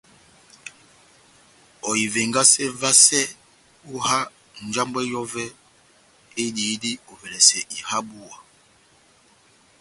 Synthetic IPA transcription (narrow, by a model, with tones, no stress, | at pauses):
ɔ˨i˨ve˨ŋɡa˦sɛ˦va˦sɛ˦ | u˦ha˦ | n̩˨d͡ʒa˦mbɛ˦jɔ˦vɛ˦ | e˦di˨˦di˦ɔ˨vɛ˨lɛ˨sɛ˨ʔi˨ha˦bu˦˨a˨